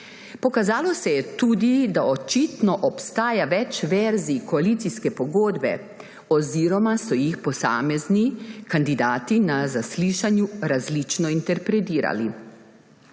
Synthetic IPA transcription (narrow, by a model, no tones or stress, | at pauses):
pɔkazaːlɔsɛjɛt̪uːd̪id̪aɔt͡ʃit̪nɔʔɔpst̪aːjaʋɛt͡ʃʋɛɾzikɔaliːt̪siskɛpɔɡoːd̪bɛ̰ | ɔziːɾɔmasɔjixpɔsa̰ːmɛznikand̪id̪aːt̪inazasliːʃanjuɾazlit͡ʃnɔint̪ɛɾpɾɛt̪iːɾa̰li